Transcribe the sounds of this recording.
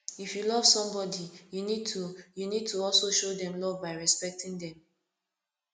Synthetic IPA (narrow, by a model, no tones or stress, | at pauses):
ifjulɔv̥sɔ̃mbɔdijunid̚tʰujunid̚tʰuɔlsoʃodɛ̃mlɔvbaɪɹɛspɛk̚tĩŋdɛ̃m